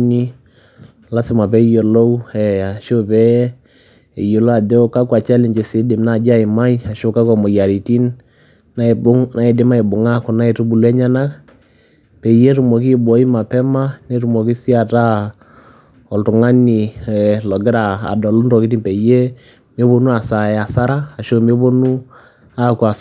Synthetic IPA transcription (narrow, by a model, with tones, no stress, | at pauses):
ni˦ | la˦sɪ˨ma˨pɛ˦jo˨lo˦ɛ˨a˨ʃo˦pɛ˦ | ɛ˨jo˨lo˦a˨dɛ˦ka˦ka˨t͡ʃɛ˦lɪ˨ɲt͡ʃe˨sɪ˨˦dɪ˨mna˦˨d͡ʒa˦ɪ˨ma˦i˦a˨ʃo˦ka˦kɔ˨mɔ˨ja˨ɾi˨ti˦nː | a˦e˨bʊ˦ŋna˦i˨dɪ˦ma˦i˨bʊ˨ŋa˦kʊ˨na˦i˨ɾu˦bu˨lu˦ɛ˦ɲa˦na˦k | pɛ˨je˦ɾu˨mɔ˨k̬i˦bɔ˨˦i˦ma˨pɛ˦ma˦ne˦ɾu˨mɔ˨ki˦si˦a˨ta˦ | ɔ˨ltʊ˨ŋa˦ni˨lɔ˨ɡɪ˦ɾa̰ː˨dɔ˨lu˦nɾɔ˨ki˨˦ti˦npɛ˨je˦ | me˦bo˦nu˦a˨sa˨ɛ˨a˨sa˦ɾaː˦˨ʃo˦me˦bo˦nu˦ | a˦kwa˨